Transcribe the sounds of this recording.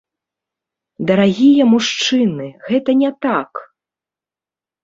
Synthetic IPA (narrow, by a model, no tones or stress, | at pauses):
d̪ɐɾaɣʲijɐmuʂt͡ʂɨnɨɣɛt̪ɐnʲɛt̪ak